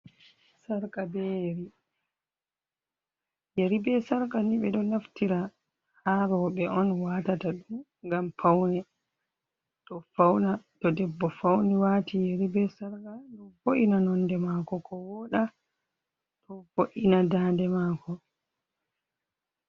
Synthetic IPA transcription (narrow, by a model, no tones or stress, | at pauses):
saɾkabejeɾi | jeɾibɛsaɾkaniɓɛɗɔnaftiɾa | haɾɔɓɛʔɔnwaːtataɗum | ŋɡampʰawnɛ | tɔfawnatɔdɛbːɔfawnɛwatijeɾibɛsaɾkaɗɔvoʔinanɔndɛmakɔkʰɔwɔɗa | tʰɔfoʔinadaːndɛmaːkɔ